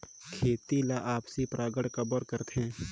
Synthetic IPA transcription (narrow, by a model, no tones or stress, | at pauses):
kʰeːt̪ilaʔaːpsipɾʔaːɡəɽkəbəɾkəɾt̪ɛ̃ː